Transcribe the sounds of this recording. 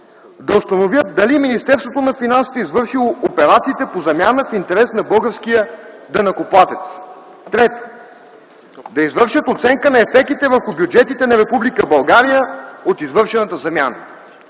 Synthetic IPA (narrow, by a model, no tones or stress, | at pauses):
d̪ɐost̪ɐnovjət̪̚d̪ɐliminist̪ɛɾst̪vot̪onɐfinansi̥t̪ɛizvɤɾʃilˠoopɛɾat̪siːt̪ɛpozɐmjanəfint̪ɛɾɛsnɐbɤlˠɡəɾskijə | d̪ɐnɐkoplˠat̪ɛt̪s | t̪ɾɛt̪ | d̪ɐizvɤɾʃət̪ot̪sɛŋkənɐɛfɛk̚t̪it̪ɛvəɾxʊbjud͡ʒɛt̪it̪ɛnɐɾɛpublikəbɐlˠɡaɾijəot̪izvɤɾʃɛnət̪əzɐmʲja̰nə̰